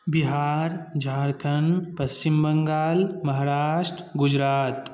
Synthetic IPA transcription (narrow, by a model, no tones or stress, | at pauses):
biɦaːɾd͡ʒʱaːɾkʰɐnpɐst͡ʃimbɐŋɡaːlmɐɦaːɾaːʂʈɾɡʊd͡ʒɾaːt̪